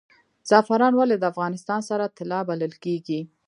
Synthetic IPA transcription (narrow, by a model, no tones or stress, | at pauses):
z̥ɑfaɾɑnwaled̪əafɣɑnɪst̪ɑnsaɾat̪ɪlɑbaləlkeɡi